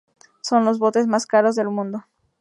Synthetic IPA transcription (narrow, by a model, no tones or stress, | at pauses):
so̞nlo̞zβo̞t̪e̞zmaskaɾo̞zðe̞lmũnd̪o